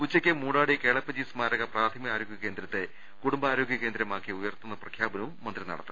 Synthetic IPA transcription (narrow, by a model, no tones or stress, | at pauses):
ut͡ɕːɐkʲːemuːɳɽaːɽike̞ːɭɐpːɐd͡ʑiːsmaːɾɐɣɐpraːd̪ʰɐmijaːɾoːɡjɐke̞ːnd̪ɾɐt̪ːe | kuɽumbɐaːɾoːɡjɐkend̪ɾɐmaːkːiujɐrt̪unːɐprɐkʰjaːbɐnɐʋumːɐnd̪rinɐ̰ɽɐ̰t̪ːɨ